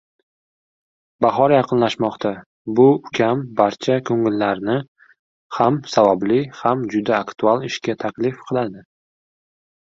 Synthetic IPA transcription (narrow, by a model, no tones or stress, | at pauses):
baɦɒɾjɑqʰɨnlaʃmɒqt̪ʰa | bʊʊkʲʰambaɾt͡ʃʰakʰɵŋɪlːaɾnɪ | hamsavɒblɪhamd͡ʒʊd̪aːkt̪ʰualˠɪʃkʲat̪ʰakʲlɪfqʰɨlˠad̪ɪ